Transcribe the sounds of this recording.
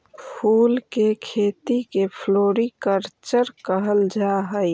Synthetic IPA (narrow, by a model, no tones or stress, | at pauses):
pʰulkekʰet̪ikepʰloɾikəɾt͡ʃəɾkəɦəld͡ʒaɦəj